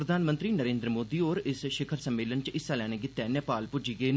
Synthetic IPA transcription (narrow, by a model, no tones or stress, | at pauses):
ɾəd̪ʱaːnmə̃nt̪ɾiːnəɾẽːnd̪ɾəmoːd̪iːoːɾɪsʃɪkʰəɾsəmːeːlənt͡ʃɪsːaːlɛːɽ̃eːɡɪt̪ːɛːnːpaːlpʊd͡ʒiːɡəeː